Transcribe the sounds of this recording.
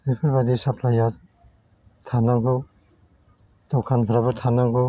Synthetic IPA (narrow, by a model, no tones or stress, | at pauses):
epʰɯɾbad̪isapʰlaja | t̪ʰanaŋku | t̪ɔkʰanpʰaɾabɯɾt̪ʰanaŋku